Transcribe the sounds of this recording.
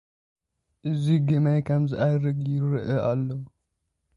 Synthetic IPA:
ʔɨziɡɐmajkʰɐmzɨʔajɾɨɡjɪɾɨʔɐʔalːo

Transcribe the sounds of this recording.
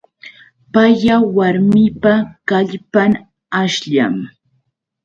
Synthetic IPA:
pajawaɾmɪpakaʎpaŋ | aʃʎa̰m

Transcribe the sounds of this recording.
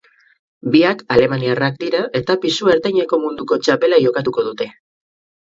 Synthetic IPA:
biakale̞maniarak̚d̪iɾaʔe̞t̪apisue̞ɾt̪ajɲeko̞mund̪uko̞t͡ʃape̞lajo̞kat̪uko̞ðut̪e̞

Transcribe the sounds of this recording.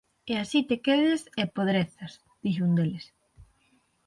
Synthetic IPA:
easit̪ekeðesepoðɾeθas | ð̥iʃ̬und̪eles

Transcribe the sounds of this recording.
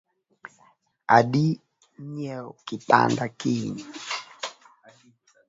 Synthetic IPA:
aɗi | ɲɛɔkita̰ndakiɲi

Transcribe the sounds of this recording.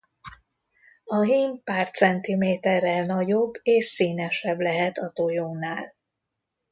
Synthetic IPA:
ɒɦiːmpaːrt̪sɛnt̪imeːt̪ɛrːɛlnɒɟobːeːʃsiːnɛʃɛblɛɦɛt̪ɒt̪ojoːnaːl

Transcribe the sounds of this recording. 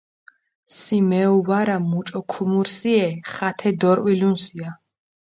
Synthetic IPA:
simɛuwaɾamut͡ʃʼɔkʰumuɾsiɛχat̪ʰɛd̪ɔɾwilunsia

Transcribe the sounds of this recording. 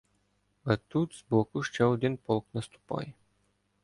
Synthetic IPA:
ɐt̪ut̪sblɔkuʃt͡ʃɛod̪inpɔlˠknɐst̪u̥pɑ̰j

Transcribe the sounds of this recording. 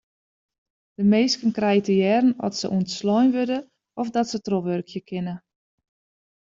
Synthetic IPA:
d̥əmeːskənkrɛjtəjɛrən̩ɔ̰tsə̰ʔuəntslɔjnʋødə | ɔfdɔtsətroʋørkʰjəkʰɪnə

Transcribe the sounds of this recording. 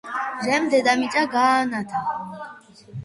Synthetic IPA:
ʒɛmd̪ɛd̪amit͡s̪ʼaɡaːnat̪ʰa

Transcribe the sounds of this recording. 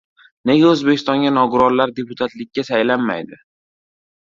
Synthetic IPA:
ne̞ɡʲaɵzbekʲɪ̥st̪ɒŋɡʲanɒɡʊɾɒɾlaɾd̪e̞pʰʊt̪ʰat̪lɪkʲːasajlanma̰jd̪ɪ

